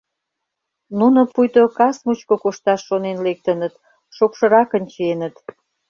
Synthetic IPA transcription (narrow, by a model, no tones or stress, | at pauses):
nunopujt̪okɑsmut͡ɕkokoʃt̪ɑʃːonenlek̚t̪ənət̪ | ʃokʃə̆ɾɑkənʲt͡ɕenət̪